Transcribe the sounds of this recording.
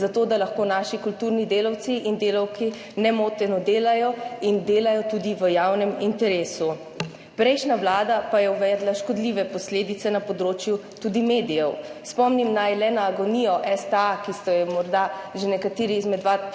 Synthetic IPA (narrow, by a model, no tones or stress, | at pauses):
zat̪oːd̪alaxkoːnaːʃikult̪uɾnid̪eːlɔw̪siind̪eːlɔwki | nɛmoːt̪ɛnɔd̪eːlajɔind̪eːlajɔt̪ud̪iʋəjawnɛmint̪ɛɾeːsu | pɾɛjʃnaʋlaːd̪apajɛuʋɛːd̪laʃkɔd̪liʋɛpɔsleːd̪it̪sɛnapɔd̪ɾoːt͡ʃjut̪ud̪imeːd̪ijɛwspɔmnimnajlɛnaːɡɔnijɔʔɛst̪ɛakist̪ɔjɛmɔɾd̪aʒenɛkat̪eːɾiizmɛd̪ʋa